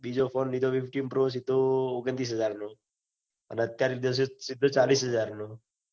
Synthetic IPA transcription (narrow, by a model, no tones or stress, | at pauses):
ɓid͡ʒofʰonːid̪oʋifʈimpɾos̬id̪oːɡənt̪ɾis̬ɦəd͡ʒaɾno | ə̰neət̪jaɾid̪osesid̪ʱːot͡ʃalisɦəd͡ʒaɾno